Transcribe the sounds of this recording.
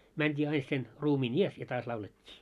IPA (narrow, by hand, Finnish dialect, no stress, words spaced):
mæntʲiː ɑin sen ruːmiːn ies jɑ tɑːs lɑuletʲːiː